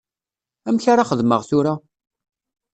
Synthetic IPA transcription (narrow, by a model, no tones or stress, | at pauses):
æmçaɾaχəðməʁθʊɾa